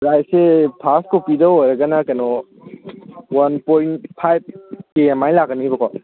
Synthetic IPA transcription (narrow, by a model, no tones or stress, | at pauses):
ɾajsepʰaskopidɐojɾɐɡɐnɐkɐnɔ | wɐnpojntpʰajb̚keemajlakɐniibɐkʰwa